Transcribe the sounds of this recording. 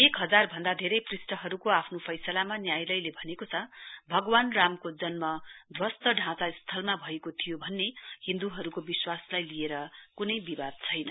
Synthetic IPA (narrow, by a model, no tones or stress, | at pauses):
ekɦʌd͡zarbʱʌnd̪ad̪ʱeɾʌjprisʈʌɦʌɾukoapʰnopʰʌjsʌlamanjajlʌjlebʱʌnekot͡sʰʌbʱʌɡwanramkod͡zʌnmʌd̪ʱwʌst̪ʌɖʱãt͡sast̪ʰʌlmabʱʌekot̪ʰijobʱʌnːehĩnd̪uɦʌɾukobiswaslajlieɾʌkunʌjbibad̪̚t͡sʰʌjnʌ